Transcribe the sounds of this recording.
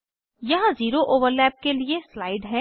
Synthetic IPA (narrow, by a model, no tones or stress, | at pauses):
jɐɦãziːɾoʔoːʋəɾlɛːp̚kelieslaːɪɖɦɛː